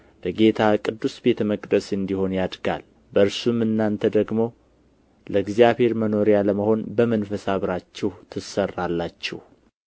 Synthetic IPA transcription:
b̥əɡe̞t̪ʰakʼɨd̪ːusbe̞t̪ʰəməkʼd̪əsɨnd̪iho̞njad̪ɡa̰l | bəɨɾsumɨnːant̪ʰəd̪əɡmo̞ | ləɡzjaβhe̞ɾməno̞ɾijaləməho̞nbəmənfəsaβɾat͡ʃːɛht̪ʰɨsərːalːat͡ʃːɛh

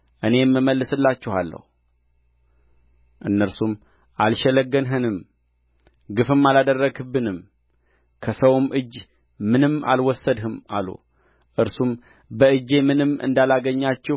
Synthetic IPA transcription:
ʔɨne̞jɛmːɨmːəlːɨsɨlːat͡ʃːɛhalːə̰hu | ʔɨnːəɾsum | ʔalʃɛləɡːənɦɨnɨm | ɡɨfɨmːalad̪ərːəɡɨbɨnɨm | kʰəsəwmʔɨd͡ʒː | mɨnɨmːa̰lwɔsːəd̪hɨma̰lṵ | ʔɨɾsum | bəɨd͡ʒːe̞mɨnɨmːɨ̰nd̪alaɡəɲːat͡ʃːɛ

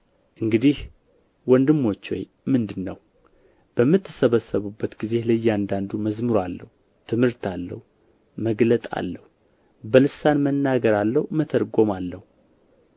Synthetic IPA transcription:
ʔɨŋɡɨd̪ih | wɔnd̪ɨmːo̞t͡ʃːwo̰j | mɨnd̪ɨnːəw | b̥əmːɨt̪ʰːɨsəβəsːəβubːət̪ɡize̞hlɨjːand̪and̪uməzmɨɾalːə̰hu | t̪ʰɨmhɨɾt̪alːə̰hu | məɡlət̪ʼa̰lːəhu | bəlɨsanmənːaɡəɾalːəhumət̪ʰəɾɡo̞malːəhu

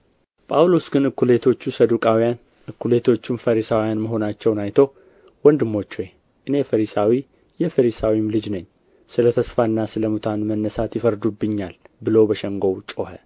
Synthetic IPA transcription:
pʼawlo̞sɡɨnɨkːule̞t̪ʰo̞t͡ʃːusəd̪ukʼawijan | ʔɨkːule̞t̪ʰo̞t͡ʃːumfəɾisawijanməɦo̞nat͡ʃːɛwnajt̪ʰow | wɔnd̪ɨmːo̞t͡ʃːwe | ʔɨne̞fəɾisawi | jɛfəɾisawimlɨd͡ʒnəɲː | sɨlət̪ʰəsfanːasɨləmut̪ʰanmənːəsat̪jɪfəɾd̪ubːɨɲːalbɨlo̞bəʃəŋɡo̞wt͡ʃʼohə

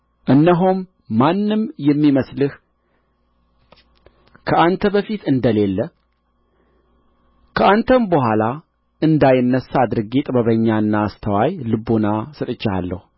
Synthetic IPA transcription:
ʔɨnːəɦomː | anːɨmjɛmːiməslɨh | kʰəant̪ʰəbəfit̪ɨnd̪əle̞lːə | kʰəʔant̪ʰəmbəɦʷala | ʔɨnd̪ajɪnːəsːad̪ɾɨɡit̪ʼbəβəɲːaɨnːaːst̪ʰəwajlɨbonasɨt̪ʼɨt͡ʃːa̰lːə̰hu

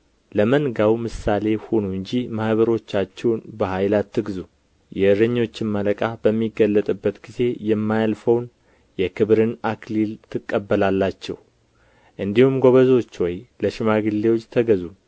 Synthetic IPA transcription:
ləmənɡawmɨsale̞ho̞nuɨɲd͡ʒimahβəɾo̞t͡ʃːat͡ʃːɛwnbəhajlat̪ʰːɨɡzu | jɛɨɾəɲːo̞t͡ʃːɪnmələkʼabəmːiɡːəlːət̪ʼɨbːət̪ɡize̞jɛmːajalfəwn | jɛkʰɨβɾɨnaklilt̪ʰɨkʼːəbːəlalːat͡ʃːɛw | ʔɨnd̪ihumɡo̞βəzo̞t͡ʃːwɔjləʃɪmaɡɨlːe̞wot͡ʃːt̪ʰəɡəzu

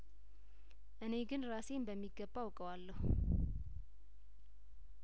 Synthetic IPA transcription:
ʔɨne̞ɡɨnɾase̞mbəmːiɡːəbːawkʼəwalːəh

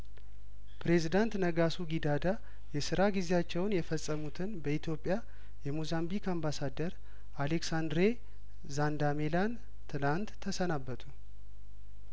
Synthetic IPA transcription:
pɾe̞zid̪ant̪nəɡasuɡid̪ad̪a | jɛsɨɾaɡize̞at͡ʃːɛwnjɛfəsʼːəmut̪ʰɨnbəit̪ʰjo̞pʼja | jɛmuzambikambasad̪əɾ | ʔaleksand̪ɾe | zand̪amelan | t̪ʰɨlant̪ʰːəsənabːət̪ʰu

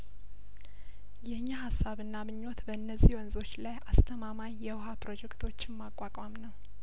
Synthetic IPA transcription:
jɛɨɲːahasːaβɨnːamɨɲːot̪bəɨnːəzːiwɔnzo̞t͡ʃːlajast̪ʰəmamaɲjɛwɦapɾo̞d͡ʒɛkt̪ʰo̞t͡ʃːɪmːakʼakʼamnəw

